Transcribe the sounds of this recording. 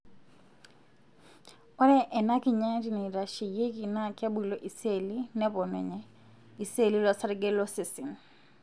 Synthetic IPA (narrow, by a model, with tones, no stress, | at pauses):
ɔ˦ɾɛ˦ʔɛ˨na˦ki˨ɲa˦ti˨ni˨ɾa˨ʃi˨je˦ki˨na˦kja˦ɓwi˨lɔ˨ʔi˨se˦˨li˦nɛ˦pɔ˨nɛ̰˨ɲɛ˨ | i˨se˦˨li˦lwa˨sa˦ɾɡɛ˦lɔ˦si˨si˨n